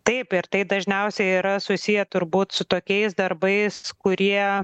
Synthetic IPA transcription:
t̪ɐɪpɪɾt̪ɐɪd̪ɐʒʲnʲɛʊsʲɛɪiːɾɐsʊsʲijɛt̪ʊɾbuːt̪sʊt̪oːkʲɛɪsd̪ɐɾbɐɪskʊɾʲiɛ

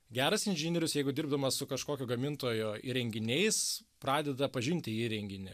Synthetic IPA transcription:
ɡʲæːɾɐsɪnʲʒʲɪnʲeɾʲʊsjɛɪɡʊd̪ʲɪɾbd̪ɐmɐsʊkɐʃkoːkʲoːɡɐmʲɪnt̪oːjʊḭɾʲɛŋʲɡʲɪnʲɛɪspɾɑːd̪ʲɛd̪ɐpɐʒʲɪnʲt̪ʲɪiːɾʲɛŋʲɡʲɪnʲɪ

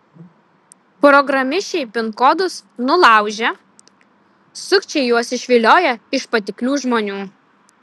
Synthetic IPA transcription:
pɾɔɡɾɐmʲɪʃʲɛɪpʲɪnkod̪ʊsnʊlˠɑˑʊʒʲɛ | sʊkʲt͡ʃʲɛɪjuɔsɪʃʲʋʲɪlʲoːjɛɪʃpɐt̪ʲɪklʲuːʒmoːnʲuː

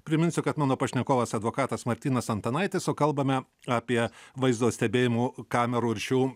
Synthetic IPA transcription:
pʲɾʲɪmʲɪnʲsʲʊkɐt̪mɑːnoːpɐʃʲnʲɛkoːʋɐsɐd̪ʋoːkɑːt̪ɐsmɐɾʲt̪ʲiːnɐsɐnt̪ɐnɐɪt̪ʲɪsoːkɐlˠbɐmʲɛ | ɑːpʲiɛʋɐɪzd̪oːsʲt̪ʲɛbʲeːjɪmuːkɑːmʲɛɾuːɾʲʃʲuː

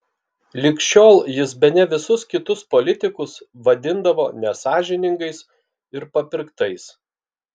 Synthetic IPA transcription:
lʲɪkʃʲt͡ʃʲoːlˠjɪsbʲɛnʲɛʋʲɪsʊskʲɪt̪ʊspɔlʲɪt̪ʲɪkʊsʋɐd̪ʲɪnd̪ɐʋoːnʲɛsɑːʒʲɪnʲɪŋɡɐɪs | ɪɾpɐpʲɪɾkt̪ɐɪs

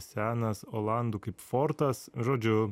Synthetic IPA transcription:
sʲæːnɐsoːlˠɑnd̪uːkɐɪpfoːɾt̪ɐsʒoːd͡ʒʲʊ

